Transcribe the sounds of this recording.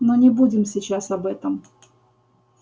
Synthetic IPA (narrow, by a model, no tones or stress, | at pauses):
mɨnʲɪbudʲɪmsʲɪt͡ɕasɐbɛt̪əm